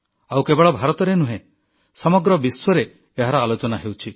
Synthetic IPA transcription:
awkebeɭɔbʱaɾɔt̪ɔɾenuɦẽ | sɔmɔɡɾɔbiswɔɾeː | ɦaɾɔalot͡ʃɔnaɦewt͡ʃʰi

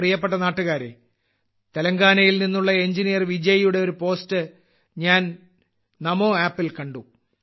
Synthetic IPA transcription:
rijɐp̬ːe̞ʈ̬ːɐnaːʈːuɣaːɾḛ | t̪elɐŋɡaːnɐjilninːuɭːɐeɲd͡ʑinijɐrʋid͡ʑɐjijuɽe̞o̞ɾupo̞ːstɨ | ɲaːn | nɐmo̞ːaːpːilkɐɳɖu

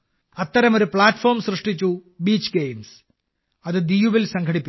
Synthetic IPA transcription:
ɐt̪ːɐɾɐmo̞ɾupɭaːtːfo̞ːrmsrɨʂʈit͡ɕːubiːt͡ɕːɡejms | ɐðɨd̪ijuʋilsɐŋkʰɐɽipːi

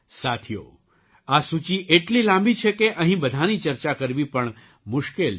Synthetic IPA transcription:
sat̪ʰijo̰ | asut͡ʃiʔeʈlilãmbit͡ʃʰekeʔə̃ɦĩbəd̪ʱanit͡ʃəɾt͡ʃakəɾʋipəɳ | mʊʃkel

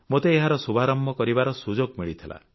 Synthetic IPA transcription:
mot̪eːɦaɾɔsubʱaɾɔmːʱɔkɔɾibaɾɔsud͡ʒoɡmiɭit̪ʰila̰

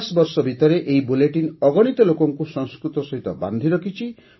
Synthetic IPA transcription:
sbɔɾsɔbʱit̪ɔɾeʔeibuleʈinɔɡɔɽ̃it̪ɔlokɔŋkusɔŋskɾut̪ɔsɔɦit̪ɔba̰nd̪ʱiɾɔkʰit͡ʃʰi

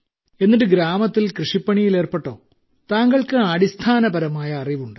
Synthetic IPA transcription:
e̞nːiʈ̬ːɨɡɾaːmɐt̪ːilkrɨʂipːɐɳijile̞ːrpeʈːo̞̰ː | t̪aːŋɡɐɭkɨaːɽist̪ʰaːnɐbɐɾɐmaːjɐːriʋuɳɖɨ

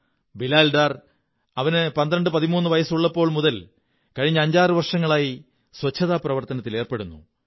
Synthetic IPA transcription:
bilaːlɖaːr | ɐʋɐnɨpɐnd̪ɾɐɳɖɨpɐðimuːnːɨʋɐjɐsuɭːɐpːo̞ːɭmuðɐl | kɐɻiɲːɐːɲd͡ʑaːrɨʋɐrʂɐŋːɐɭaːji | swɐt͡ɕʰːɐðaːprɐʋɐrt̪ɐnɐt̪ːile̞ːrpeɽunːu

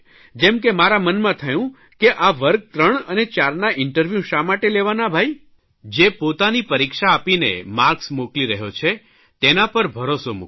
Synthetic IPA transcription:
d͡ʒɛmk̬emaɾamənmãt̪ʰəjũ | keʔaʋəɾɡ̚t̪ɾəɳənet͡ʃaɾnaʔɪɳʈəɾʋjuʃamaʈeleʋanabʱai | d͡ʒepot̪anipəɾikʃaːpinḛmaɾksmukliɾəɦjot͡ʃʰe | t̪enapəɾbʱəɾosomṵk

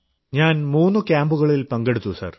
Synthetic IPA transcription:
ɲaːnmuːnːukʲaːmbuɣɐɭilpɐŋɡe̞ɽut̪ːusɐ̰r

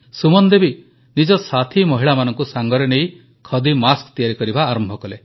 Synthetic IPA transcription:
sumɔnd̪ebi | nid͡ʒɔsat̪ʰimɔɦiɭamanɔŋkusaŋɡɔɾenej | kʰɔd̪imaskt̪ijaɾikɔɾibaːɾɔmbʱɔkɔle

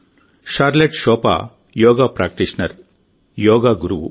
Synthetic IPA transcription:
ʃaːɾleʈʃɔːpa̰ː | jɔːɡaːpɾaːk̚ʈiʂnɐɾ | jɔːɡaːɡuɾuʋṵ

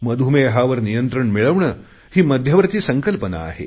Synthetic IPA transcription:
məd̪ʱumeɦaʋəɾnijənt̪ɾəɳmiɭəʋɳə | hiːmɐd̪ʱjɐʋəɾt͡siːsəŋkəlpəna̰ːɦḛ

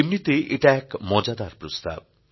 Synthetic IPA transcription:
imnit̪eʔeʈaɛkmɔd͡ʑad̪aɾpɾost̪a̰b̚

